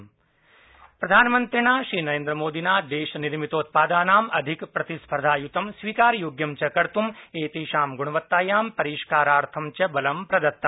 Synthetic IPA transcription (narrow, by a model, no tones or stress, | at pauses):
pɾɐd̪ʱaːnmɐnt̪ɾinaːʃɾiːnɐɾẽːnd̪ɾəmoːd̪inaːd̪eːʃɐniɾmit̪oːt̪̚paːd̪aːnaːmɐd̪ʱikpɾɐt̪ispʰɐɾd̪ʱaːjut̪ɐmsʋiːkaːɾjoːɡjɐmt͡ʃɐkɐɾt̪umeːt̪iːʃaːmɡuɽ̃ɳɐʋɐt̪ːaːjaːmpɐɾiːʃkaːɾaːɾt̪ʰɐmt͡ʃɐbɐlɐmpɾɐd̪ɐt̪ːɐ